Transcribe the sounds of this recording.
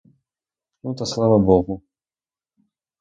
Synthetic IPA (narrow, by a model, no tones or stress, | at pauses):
nut̪ɐslˠavɐbɔɣu